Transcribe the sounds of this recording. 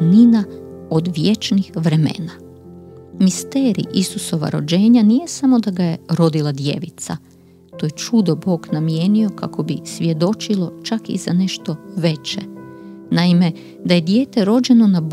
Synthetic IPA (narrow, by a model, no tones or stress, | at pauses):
ninaod̪ʋjet͡ʃnixʋɾe̞mḛna | mist̪e̞ːɾḭʔisuso̞ʋa̰ɾo̞̰d͡ʑe̞ːɲanije̞samo̞d̪aɡaje̞ɾo̞d̪ilˠad̪je̞̰ʋit̪sa | t̪o̞je̞t͡ʃud̪obo̞ːɡnamje̞ːnio̞kako̞bisʋje̞d̪o̞t͡ʃilˠo̞t͡ʃakḭzane̞ʃt̪o̞ʋe̞t͡ɕe | naime̞ | d̪aje̞d̪je̞ːt̪e̞ɾo̞d͡ʑe̞no̞nab